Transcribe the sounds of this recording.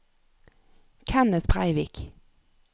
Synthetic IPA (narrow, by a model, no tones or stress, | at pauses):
kʰænəspʰʁæ̰ɪʋiːk